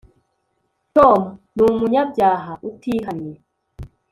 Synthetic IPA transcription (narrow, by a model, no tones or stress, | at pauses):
tɔmnumuɲabjaːɦaʔutiːɦaniɛ